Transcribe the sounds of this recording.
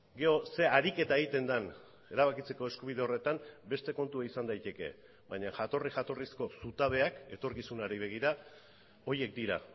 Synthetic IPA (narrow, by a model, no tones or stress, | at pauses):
ɡe̞o̞se̞aɾike̞t̪aeɣit̪e̞nd̪an | e̞ɾaβ̞akit͡se̞ko̞eskuβ̞ið̞e̞o̞re̞t̪ambe̞st̪e̞ko̞nt̪uaisand̪ajt̪e̞ke̞̰ | baɲaʝat̪o̞riʝat̪o̞risko̞sut̪aβ̞e̞ake̞t̪o̞ɾkisunaɾiβ̞e̞ɣ̞iɾa | o̞je̞k̚d̪iɾa̰